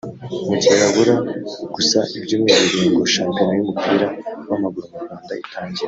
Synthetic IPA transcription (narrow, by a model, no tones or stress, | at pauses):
mucajaɡuɾaɡ̥usaʔibɟumiβiɾiːŋɡoʃaːmpjinojumupiːɾawamaɡuɾomuɾɡwaːnda̰itʰaːɲɟiɾe